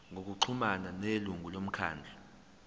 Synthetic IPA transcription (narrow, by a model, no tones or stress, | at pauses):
ŋʱok̬uǀʰumananeluŋulom̩kʰa̰ːnd͡ɮʱa